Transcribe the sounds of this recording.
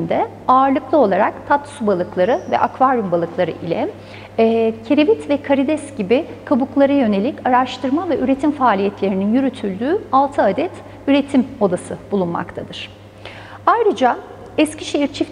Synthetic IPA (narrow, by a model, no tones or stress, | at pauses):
nd̪ɛ | aːɾlˠɯklˠɯo̞lˠaɾakt̪ʰat̪subalˠɯklˠaɾɯvɛ̰ʔakvaɾumbalˠɯklˠaɾɯ̰ʔilʲɛː | cʰeɾevit̪vɛkʰaɾid̪ɛsɟibɪ | kʰabuklˠaɾajø̞ne̞lʲicaɾaʃt̪ʰɯɾmavɛʔyɾe̞t̪ʰimfaːlʲijɛt̪ʰlʲe̞ɾininjyɾyt̪ʰylʲd̪yːalˠt̪ʰɯad̪ɛt̪ | yɾe̞t̪ʰimo̞d̪asɯb̥ulˠunma̰kt̪ʰad̪ɯɾ̥ | ajɾɯd͡ʒa | ɛsciʃeiɾt͡ʃʰif